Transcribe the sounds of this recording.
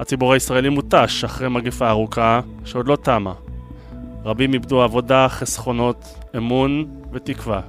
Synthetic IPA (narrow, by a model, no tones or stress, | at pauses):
hat͡sibuʁaisʁae̞limut̪aʃaχʁejmaɡefaːʁukaʃeo̞dlo̞tama | ʁabimibduavo̞daχesχo̞no̞t | emun | ve̞tikva